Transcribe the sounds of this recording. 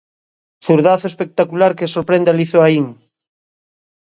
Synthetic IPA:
θuɾðaθoespek̚t̪akulaɾkesoɾpɾẽnd̪aliθoaiŋ

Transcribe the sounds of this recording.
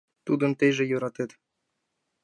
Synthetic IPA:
t̪ud̪ɤ̆nt̪eʒĕjoɾɑt̪et̪

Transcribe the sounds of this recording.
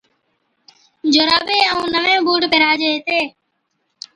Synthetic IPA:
d͡ʒoːɾaːbeːəũːnəʋẽːbuːɖpeɾaːd͡ʒeeːt̪eː

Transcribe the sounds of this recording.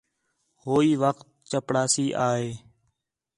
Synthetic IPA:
hoːiːʋək̚t̪̚t͡ʃəpɽaːsiːʔaːɦeː

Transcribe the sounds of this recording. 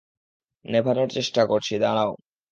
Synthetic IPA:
nebʱanoɾt͡ɕeʃʈakoɾt͡ɕʰid̪aɽ̃ao

